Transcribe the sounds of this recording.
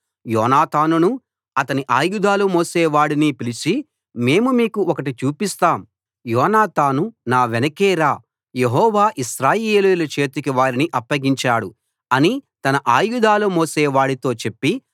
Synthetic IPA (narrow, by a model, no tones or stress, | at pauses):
jɔːnaːt̪aːnunu | ɐt̪ɐniʔaːjud̪aːlumoːseːʋaːɽinipilit͡ʃi | me̞ːmumiːkuɔkɐʈ̬it͡ʃuːpist̪aːm | jɔːnaːt̪aːnunaːʋenɐkeːɾaː | jeɦɔːʋaːʔiʃɾaːjeːlujulɐt͡ʃe̞ːt̪ukiʋaːɾiniʔɐpːɐɡiɲt͡ʃaːɽu | ɐnit̪ɐnɐʔaːjud̪aːlumoːseːʋaːɽit̪o̞ːt͡ʃe̞pːi